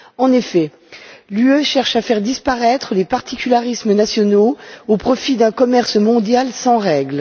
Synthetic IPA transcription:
ɑ̃nefɛ | lyøʃɛʁʃafɛʁd̪ispaʁɛt̪χəlepaʁt̪ʰikʲylaʁismənasjɔnoopχɔfid̪ɛ̃kɔmɛʁsmɔ̃d̪jalsɑ̃ʁɛɡl

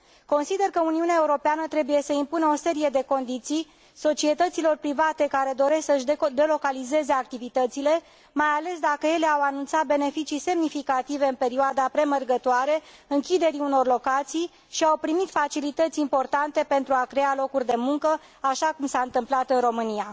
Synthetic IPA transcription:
ko̞nsid̪e̞rkəuniuneae̞uɾo̞peanət̪ɾe̞buje̞səimpunəo̞se̞ɾije̞d̪e̞ko̞nd̪it̪sij | so̞t͡ʃie̞t̪ət̪silo̞rpɾivat̪e̞kaɾe̞d̪o̞ɾe̞sksəɨʃd̪e̞lo̞kalize̞ze̞ak̚t̪ivit̪ət̪sile̞ | majale̞sd̪akəje̞le̞awanunt̪sat̪̚be̞ne̞fit͡ʃise̞mnifikat̪ive̞ɨnpe̞ɾioad̪apɾe̞mərɡət̪oaɾe̞ɨŋkʲid̪e̞ɾiuno̞rlo̞kat̪sij | ʃiawpɾimit̪fat͡ʃilit̪ət̪sʲimpo̞rt̪ant̪e̞pe̞nt̪ɾuakɾe̞alo̞kurʲd̪e̞muŋkə | aʃakumsaɨnt̪ɨmplat̪ɨnro̞mɨnia

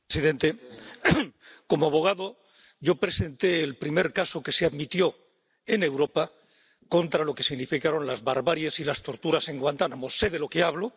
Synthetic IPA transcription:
siðe̞nt̪e̞ | ko̞moaβ̞o̞ɣ̞aðo | ɟ͡ʝo̞pɾe̞se̞nt̪e̞ːlpɾime̞ɾkaso̞ke̞seaðmit̪jo̞ | e̞ne̞wɾo̞pa | ko̞nt̪ɾalo̞ke̞siɣnifikaɾo̞nlazβaɾβaɾjesilast̪o̞ɾt̪uɾase̞ŋɡwant̪anamosːe̞ðe̞lo̞keaβlo

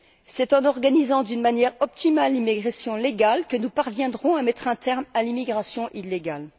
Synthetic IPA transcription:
sɛt̪ɑ̃nɔʁɡanizɑ̃d̪ynmanjɛʁɔp̚t̪imalːimiɡʁasjɔ̃leɡalkənupaʁvjɛ̃d̪ʁɔ̃amɛt̪χɛ̃t̪ɛʁmalimiɡʁasjɔ̃ʔilːeɡal

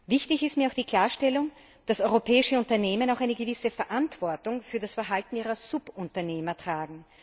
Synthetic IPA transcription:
vɪçtɪçɪstmiːɐaʊxd̥iːkʰl̥aːɐʃtɛlʊŋ | d̥asɔʏʁopʰɛːɪʃəʊntɐneːmənaʊxaɪnəɡəvɪsəfɛɐʔantv̥ɔɐtʊŋfyːɐdasfɛɐɦaltn̩iːʁɐsʊpʊntɐneːmɐtʁ̥aːɡŋ̩

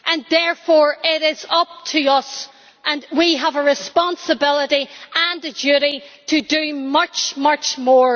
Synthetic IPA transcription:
ʔə̃nðɛɹfɔɹɪɾɪzʌp̚tʰəʌs | ʔə̃nwiəvəɹɪspɑ̃nsəbɪlˠəɾiʔə̃nɨd͡ʒʉɾiɾɨdəmʌt͡ʃmʌt͡ʃmɔɹ

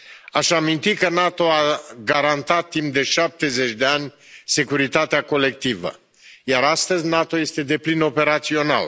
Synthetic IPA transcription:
aʃamint̪ikənat̪o̞aɡaɾant̪at̪ːimp̚d̪e̞ʃap̚t̪e̞ze̞t͡ʃʲd̪e̞anʲse̞kuɾit̪at̪eako̞le̞k̚t̪ivə̰ | jaɾast̪əzʲnat̪o̞je̞st̪e̞d̪e̞plino̞pe̞ɾat̪sio̞na̰l

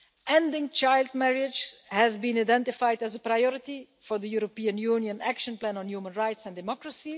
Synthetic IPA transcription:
ʔɛ̃ndɪ̃ŋt͡ʃaɪlˠd̚mɛɹɪd͡ʒhæzbĩnadɛ̃ntɪfajdæzəpɾajɔɹɪti | fɔɹðəjuɾopiːə̃njuːnjə̃nækʃə̃nplæ̃nɔ̃njuːmə̃nɹaɪtsɛ̃ndɪmɔkɹəsi

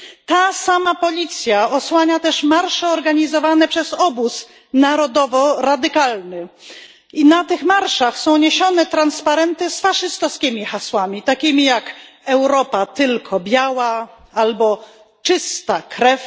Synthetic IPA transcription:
t̪asamapɔlʲit̪sʲjaɔswaɲat̪ɛʂmaɾʂɛɔɾɡaɲizɔvanɛpʂɛzɔbus | naɾɔd̪ɔvɔɾad̪ɘkalnɘ | inat̪ɘxmaɾʂaxsɔ̃w̃ɲeɕɔnɛt̪ɾanspaɾɛnt̪ɘsfaʂɨst̪ɔskʲimʲixaswamʲit̪akʲimʲijakɛwɾɔpat̪ɘlkʰɔbʲjawa | albɔ | t͡ʂɘst̪akɾɛf

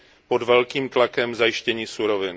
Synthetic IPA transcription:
po̞dvɛlkiːmt̪lakɛmzajɪʃcɛɲiːsuɾovɪn

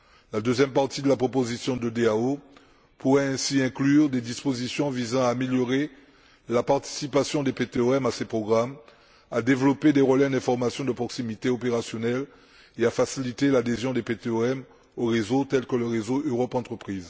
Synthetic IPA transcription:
lad̪øzjɛmpaʁt̪id̪əlapχopozisjɔ̃d̪əd̪eao | puʁɛɛ̃siɛ̃klyʁd̪ed̪ispozisjɔ̃vizɑ̃aːmeljɔʁe | lapaʁt̪i̥sipasjɔ̃d̪epet̪eøɛmasepχɔɡʁam | ad̪evlɔped̪eʁəlɛ̃d̪ɛ̃fɔʁmasjɔ̃d̪əpχɔksimit̪eopeʁasjɔnɛl | eafasilit̪elad̪ezjɔ̃d̪epet̪eøɛm | oʁezot̪ɛlkələʁezoʔøʁɔpɑ̃t̪χəpχiːz

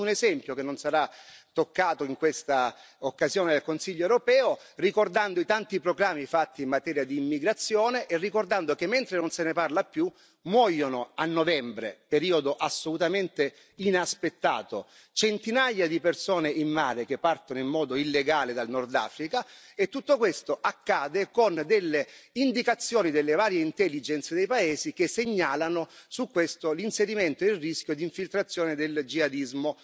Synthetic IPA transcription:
unezɛmpjokenːonsaɾat̪ːokːaːt̪oiŋkwest̪a | okːazjoːned̪elkonsiʎːoewɾopɛːorikord̪and̪oit̪ant̪ipɾoɡɾamːifat̪ːiːmmːat̪ɛːɾjad̪iːmːiɡɾat̪sːjoːneʔerːikord̪and̪okemːent̪ɾenonseneparlapːju | mwɔːjonoanːovɛmbɾḛpeɾiːod̪oʔasːolut̪ament̪e | inaspet̪ːa̰ːt̪o | t͡ʃent̪inajːad̪ipersoːneʔinːa̰ːɾek̟epːart̪onoimːɔːd̪oilːeɡaːled̪alnɔrd̪a̰ːfɾikaet̪ːut̪ːokwest̪oʔakːaːd̪ekond̪elːeind̪ikat̪sːjoːnid̪elːevaːɾjeint̪ɛlːid͡ʒɛnt̪sed̪ejpaeːzikeseɲːaːlanosukːwest̪olinseɾiment̪oilriskʲjod̪iɱfilt̪ɾat̪sːjoːned̪eld͡ʒiad̪izmo

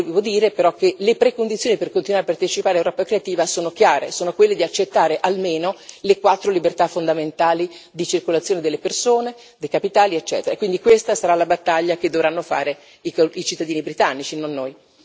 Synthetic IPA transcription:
vevod̪iːɾepeɾɔkːelepɾekond̪it̪sjoːniperkont̪inwaɾapːart̪et͡ʃipaːɾeawɾɔːpakɾeat̪iːvasoːnok̟jaːɾḛsoːnokwelːed̪iat͡ʃːet̪ːaːɾeʔalmeːnolekwat̪ːɾolibert̪afond̪ament̪aːlid̪it͡ʃirkolat̪sːjoːned̪elːepersoːne | d̪ejkapit̪aːliet͡ʃːɛ̰ːt̪eɾakwind̪ikwest̪asaɾalabat̪ːaʎːak̟ed̪ːovɾanːofa̰ːɾe | ikoit͡ʃit̪ːad̪iːnibɾit̪anːit͡ʃinonːoːj

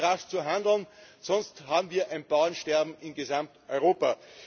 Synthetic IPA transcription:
ʁaft͡suɦãndl̩n | sɔnsthaːbm̩viːɐʔæ̃ɪnb̥aʊənʃtɛɐbm̩ɪnɡezãmtʔɔʏʁoːpa

